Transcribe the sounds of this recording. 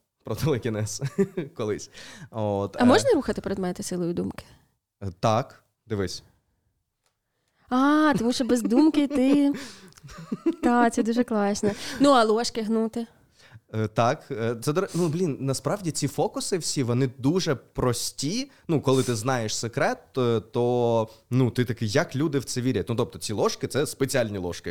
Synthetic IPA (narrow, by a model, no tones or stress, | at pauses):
pɾɔt̪elˠɪkʲinɛskɔlˠɪsʲot̪ɐmɔʒnɐɾuxɐt̪ɪ̥peɾed̪mɛt̪ɪsɪlˠɔjʊd̪umkɪ̥ | t̪ɑk | d̪ɪʋɪsʲɐ̥ | ɑt̪ɔmuʃt͡ʃɔbɛzd̪umkɪt̪ɪ | t̪ɑkt̪sɛd̪uʒɛklˠɑʃnɛnuɐlˠɔʃkɪɦnut̪ɪ | ət̪ɑkət̪sɛd̪ɔɾɛnublʲinnɐspɾɑʋdʲit͡sʲifɔkʊsɪwsʲiʋɔnɪd̪uʒɛpɾɔsʲtʲinukɔlˠɪt̪ɪznɑjeʃsekɾɛt̪t̪ɔnut̪ɪt̪ɐkɪjɐklʲud̪ɪwt̪sɛʋʲiɾʲɐtʲnut̪ɔp̚t̪ɔ̥t͡sʲilˠɔʃkɪt̪sɛspet͡sʲialʲnʲilˠɔ̰ʃkɪ